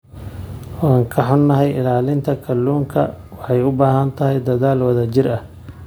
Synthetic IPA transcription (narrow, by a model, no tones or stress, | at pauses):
wɑːŋkʰɐħʊnːɐɦɛjɪ̰laːlɪnt̪ʰɐkʰɐlːuːŋkʰɐ̰ | wɑħɑjʊbaːɦɐnt̪ʰɐɦɛjd̪ɐðaːlwɐðɐt͡ʃɪrɐh